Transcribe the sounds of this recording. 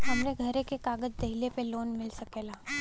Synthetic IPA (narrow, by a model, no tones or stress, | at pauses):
ɦɐmɾeɡʱɐɾekekaːɡəd͡ʒd̪ɐɦilepeloːnmɪlsɐkeːlaː